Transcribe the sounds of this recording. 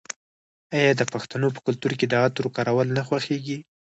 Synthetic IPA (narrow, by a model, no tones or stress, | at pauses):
ɑjɑd̪əpaxt̪anop̬ə̥kʊlt̪uɾked̪əat̪ɾokɑɾawəlnaxwaxeɡi